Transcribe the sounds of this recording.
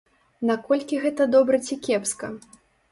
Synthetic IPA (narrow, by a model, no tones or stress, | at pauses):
nakɔlʲkʲiɣɛt̪ɐd̪ɔbɾɐt͡sʲikʲɛpskɐ